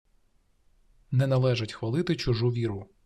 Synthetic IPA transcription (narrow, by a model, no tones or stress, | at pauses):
nɛnɐlˠɛʒɐtʲxʋɐlˠɪt̪ɪt͡ʃʊʒuʋʲiɾʊ